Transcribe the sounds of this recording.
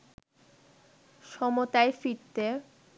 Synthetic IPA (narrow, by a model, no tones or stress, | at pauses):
ʃɔmot̪aefiɾt̪e